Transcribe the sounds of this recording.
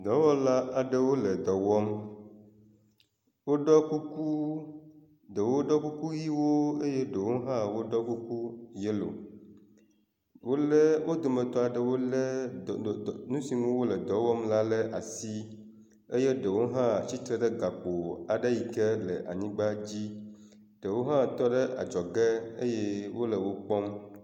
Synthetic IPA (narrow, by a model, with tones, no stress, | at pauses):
d̪ɔ˨wɔ˦la˦a˨ɖə˦wo˦lə˨d̪ɔ˨wɔ˦m | wo˦ɖɔ˦ku˦ku˦ | d̪ə˨wo˦ɖɔ˦ku˦ku˦ji˦wo˦e˦je˦ɖə˨wo˦ɦã˦wo˦ɖɔ˦ku˦ku˦je˦lo̰˨ | wo˦lə˦wʔo˦d̪o˨mə̃˨t̪ɔ˦a˨ɖə˦wo˦lə˦˨ | nũ˦si˨ŋũ˦wo˦lə˨d̪ɔ˨wɔ˦mla˦lə˦ʔa˨si˦ | e˦je˦ɖə˨wo˦ɦã˦˨t͡ɕi˦t̪ɾə˦ɖə˦ɡa˨k͡po˨a˨ɖə˦ji˨kə˦lə̰˨ʔa̰˨ɲĩ˦ɡ͡ba˦d͡ʑi˦ | ɖ̥ə˨wo˦ɦã˦t̪ɔ˦ɖə˦ʔa̰˨d͡ʒɔ˨ɡə˦ḛ˦je˦wo˦lə˨wo˦k͡pɔ˦m